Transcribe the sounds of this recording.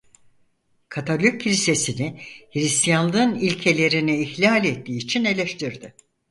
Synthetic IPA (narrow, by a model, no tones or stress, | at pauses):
kʰat̪ʰalʲyk̚ʰːiɾʲise̞sinɪhiɾist̪ʰijanˠɯnilʲcʰe̞lʲe̞ɾiniːçlʲalʲet̪ʰːiːt͡ʃʰine̞lʲeʃt̪ʰiɾd̪ɪ